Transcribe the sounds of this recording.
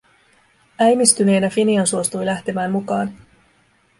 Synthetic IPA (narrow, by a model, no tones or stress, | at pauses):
æjmist̪yne̞ːnæfiniɑnsuo̞st̪ujlæht̪e̞mæːmːukɑːn